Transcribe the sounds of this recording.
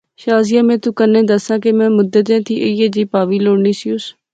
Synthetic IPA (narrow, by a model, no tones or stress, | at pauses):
ʃaːzɪjãːmɛ̃ːt̪ʊkənːẽːd̪əsãːk̬emɛ̃ːmʊd̪ət̪ẽːt̪ʰiːʔejeːd͡ʒiːpaːʋiːloːɽniːsɪʊs